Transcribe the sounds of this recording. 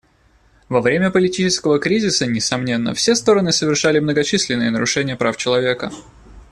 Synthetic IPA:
vɐvɾʲemʲəpəlʲɪtʲit͡ɕɪskəvəkɾʲizʲɪsənʲɪsɐmnʲe̞nːə̰fsʲe̞st̪o̞ɾənɨsəvʲɪrʂalʲɪmnəɡɐt͡ɕisʲlʲɪnːɨjənəɾʊʂɛnʲɪjəpɾaft͡ɕɪlˠɐvʲe̞kə̰

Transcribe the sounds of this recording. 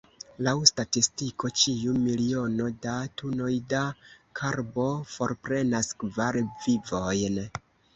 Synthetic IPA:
lawstatistiko̞t͡ʃiumilio̞no̞datuno̞jdakʰaɾbo̞fo̞ɾpɾe̞naskvaɾvivo̞jn

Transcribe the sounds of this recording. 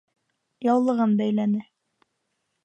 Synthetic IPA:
jɑwlˠɤ̆ʁɤnbæjlænɘ

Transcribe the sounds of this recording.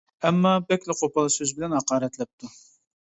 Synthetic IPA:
ɛmːɑbɛkʲlɪqʰopɑlˠɨsøzbɪlɛnhɑqɑːɾɛt̪lɛp̚t̪ʰu

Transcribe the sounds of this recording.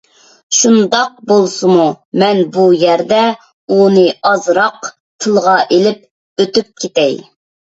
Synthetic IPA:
ʃund̪ɑq̚bolˠsumu | mɛnbujæɾd̪ɛ | unɨɑzɾɑq | t̪ʰɨlˠʁɑʔelɪp̚ | øt̪yp̚kʲʰet̪ɛj

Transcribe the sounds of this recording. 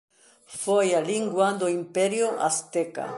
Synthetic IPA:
fojaliŋɡwand̪oimpɛɾjoʔa̰st̪eka̰

